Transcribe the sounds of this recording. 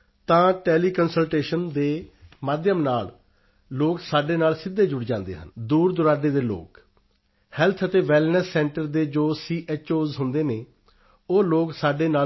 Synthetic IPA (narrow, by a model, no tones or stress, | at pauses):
t̪ãːʈeːliːkənsəlʈeːʃənd̪eːmaːd̪jəmnaːl | loːksaːɖeːnaːlsɪd̪ːeːd͡ʒʊɽd͡ʒãːnd̪ḛːɦə̰nd̪uːɾd̪ʊɾaːɖeːd̪eːlo̰ːk | hɛlt̪ʰət̪eːʋɛːlnəsːɛ̃ːɳʈəɾd̪eːd͡ʒoːsiːʔeːt͡ʃoːzɦʊnd̪eːneː | oːloːksaːɖeːnaː